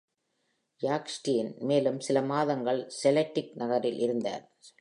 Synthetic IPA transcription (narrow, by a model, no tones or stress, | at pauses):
jaːksʈijɪnmeːlɯmsɪlɐmaːðɐŋɡɐɭsɛlɛʈːɪk̚nɐɣɐɾɪlʔɪɾɯnd̪a̰ːɾ